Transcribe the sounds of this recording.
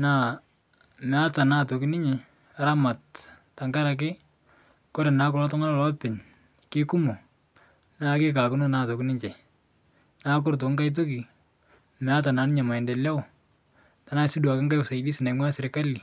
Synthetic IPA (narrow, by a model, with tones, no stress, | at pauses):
na˨ | mɛ˨a˦ta˨na˦to˨kɪ˦nɪ˦ɲɪ˨ | a˨ɾa˦ma˨t̚ː | a˨ŋka˦ɾa˨k̬ɪ˦ | ko˦ɾɛ˨na˦k̬ʊ˨lɔ˦tʊ˦ŋa˦la˨lɔ˦pɪ˨ɲ | kɪ˦kʊ˦mo˨ | na˦kɪ˦ka˨kʊ˦no˦na˦to˨kɪnɪ˦ɲt͡ʃɛ˨ | na˦k̬ʊ˦rt̬o˨ŋɡa˦jt̬o˦ki˨ | mɛ˨a˦ta˨na˨˦nɪ˦ɲa˨ma˨ɛ˨ndɛ˨la˦w | ta˨na˦sɪ˦du˨a˨kɪ˦ŋɡa˦jksa˨ɪdi˦sɪ˨na˨mwa˦sɪ˨ɾɪ˨ka˦li˨